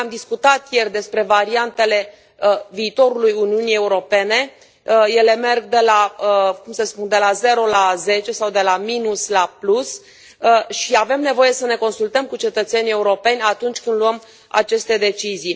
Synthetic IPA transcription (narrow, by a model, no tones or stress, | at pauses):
amd̪iskut̪at̪je̞rd̪e̞spɾe̞vaɾiant̪e̞le̞ | əviːt̪o̞ɾulujuniunije̞uɾo̞pe̞ne̞ | je̞le̞me̞rɡ̚d̪e̞lakumsəspund̪e̞laze̞ɾo̞laze̞t͡ʃe̞sawd̪e̞laminuslaplus | ʃiave̞mne̞vo̞je̞səne̞ko̞nsult̪əmkut͡ʃe̞t̪ət̪se̞nie̞uɾo̞pe̞nʲat̪unt͡ʃʲkɨnd̪luəm | a̰t͡ʃe̞st̪e̞d̪e̞t͡ʃizij